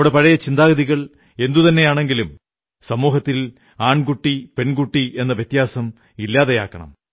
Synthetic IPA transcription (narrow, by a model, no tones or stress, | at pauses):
ɽepɐɻɐjɐt͡ɕind̪aːɣɐðiɣɐɭ | e̞nd̪ut̪ɐnːe̞jaːɳe̞ŋɡilum | sɐmuːɦɐt̪ːil | aːɳkuʈːipe̞nkuʈːiʔe̞nːɐʋjeɐt̪jaːsɐm | ilːaːðeja̰ːkːɐɳɐ̰m